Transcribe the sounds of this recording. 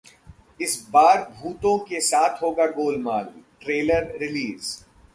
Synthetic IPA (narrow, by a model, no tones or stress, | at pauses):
ɪsbaːɾbʱuːt̪õkesaːt̪ʰɦoːɡaɡoːlmaːlʈɾeːləɾɾɪliːz